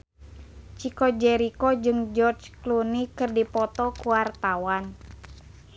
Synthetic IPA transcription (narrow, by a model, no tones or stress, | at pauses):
t͡ʃikɔd͡ʒɛɾikɔd͡ʒɨŋd͡ʒɔrd͡ʒklunikɨrdipɔt̪ɔkuwart̪awan